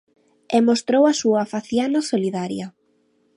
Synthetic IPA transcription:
ɛmost̪ɾowɐsuafaθjanasoliðaɾjɐ

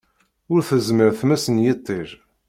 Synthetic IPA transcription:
ʊɾθəzməɾθmæsənjit̪ˤːeʒ

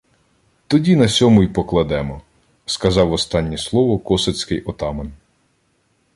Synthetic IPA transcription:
t̪ɔdʲinɐsʲɔmʊjpɔklˠɐd̪ɛmɔ | skɐzɑwɔst̪ɑnʲːislˠɔʋɔkɔsɐt͡sʲkɪjʔɔt̪ɑmɔn

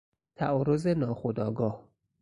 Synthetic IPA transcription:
t̪ʰæɒːɾozenɒːxod̪ɒːɡɒːh

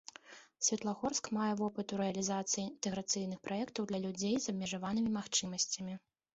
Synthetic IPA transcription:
sʲvʲɛt̪lˠaɣɔrskmajɛvɔpɨt̪uɾɛɐlʲizat̪sɨjint̪ɛɣɾɐt̪sɨjnɨxpɾajɛkt̪ɐwd̪lʲɐlʲud͡zʲejzɐbmʲɛʐavanɨmʲimaxt͡ʂɨmɐsʲt͡sʲɐmʲi

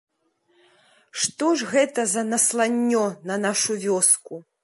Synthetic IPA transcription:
ʂt̪ɔʐɣɛt̪ɐzɐnɐslˠanʲːɔnɐnaʂuvʲɔsku

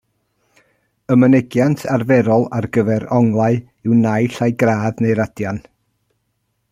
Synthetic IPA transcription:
əmənɪɡjantʰarvɛɾɔlˠarɡəvɛɾɔŋlˠaɨ | ɪwnajɬajɡraːðnejɾadjan

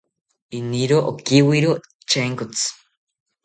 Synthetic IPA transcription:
iniɾoʔokiwiɾo | t͡ʃʰeŋkot͡sʰɨ̥

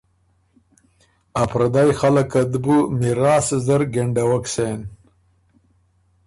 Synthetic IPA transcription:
apɾad̪ajxalakad̪bumiɾaːszɐɾɡeɳɖawaksen

